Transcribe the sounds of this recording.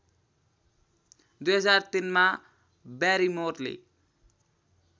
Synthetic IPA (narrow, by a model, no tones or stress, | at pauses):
d̪ujɦʌd͡zart̪inma | baɾimorlḭ